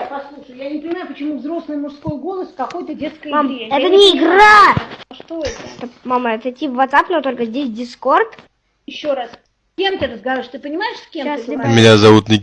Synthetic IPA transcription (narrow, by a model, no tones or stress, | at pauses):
pɐslˠuʂəjʊjanʲɪpənʲɪmajʊpət͡ɕɪmuvzɾo̞slˠɨjmʊʂsko̞jɡo̞lˠəskɐkojt̪ədʲe̞t̪skəjmameɛt̪ənʲɪɪɡraʂt̪oɛt̪əɛt̪əmaməɛt̪əɪtʲːivːɐt̪sapnot̪o̞lʲkəzʲdʲes̬ʲdʲɪsko̞rt̪ | jɪɕːo̞ɾas | sʲkʲemt̪ʲɪɾəzɡɐvaɾʲɪʂt̪ɨpənʲɪmajɪʂsʲkʲemmʲɪnʲazɐvut̪nʲɪ